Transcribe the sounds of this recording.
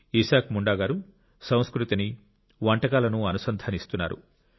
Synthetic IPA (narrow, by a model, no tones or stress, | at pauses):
isaːkmuɳɖaːɡaːɾu | sɐ̃w̃skɾut̪ini | ʋɐɳʈɐkaːlɐnuɐnusɐnd̪ʱaːnist̪unːa̰ːɾṵ